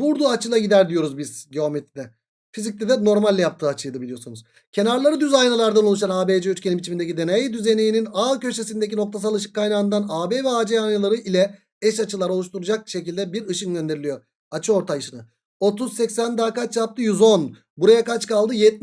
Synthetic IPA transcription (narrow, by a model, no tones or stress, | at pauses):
buɾd̪uat͡ʃʰɯlˠaɟid̪æɾd̪ijo̞ɾuzbizɟeomet̪ʰid̪ɛ | fizicʲt̪ɛd̪ɛno̞ɾmalʲːɛjap̚t̪ɯːat͡ʃʰɯjd̪ɯbilʲijosunuz̥ | cʰe̞naɾlˠaɾɯd̪yzajnalˠaɾd̪anolˠuʃ̬anaːbeːd͡ʒɛyɾcʰenimbit͡ʃimind̪ecid̪e̞nejid̪yzenejininacø̞ʃe̞sind̪e̞c̬ino̞k̚t̪ʰasalˠɯʃ̬ɯ̥kːajnaɯnd̪anaːbeːvɛaːd͡ʒeanalˠaɾɯʔilʲɛ | ɛʃat͡ʃʰɯlˠaɾolˠuʃt̪ʰuɾud͡ʒak̚ʃe̞cilʲd̪ɛbiɾɯʃɯnɟø̞nd̪eɾilʲijo̞ | at͡ʃʰɯo̞ɾt̪ʰajɯʃɯnɯ | o̞t̪ʰuzsɛcsænd̪aːkat͡ʃjap̚t̪ʰɯjyzo̞n | buɾajakat͡ʃkalˠd̪ɯjɛt̪̚